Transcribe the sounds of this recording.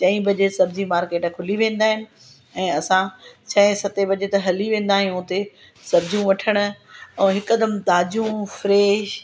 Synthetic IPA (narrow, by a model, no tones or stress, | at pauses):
t͡ɕɐ̃ĩbɐd͡ʑesɐbd͡ʑimaːɾkeːʈkʰʊliʋẽːn̆d̪aːɦɪnɪ̆ | ɛ̃ːɐsãt͡ɕʰɐ̃ɪ̃sɐt̪ebɐd͡ʑet̪ɐɦɐliʋẽːn̆d̪aːɦijũʊt̪e | sɐbd͡ʑũʋɐʈʰəɽ̃ʊ̆ɛ̃ːɦɪkɐd̪əmt̪aːd͡ʑũfɾeːʃ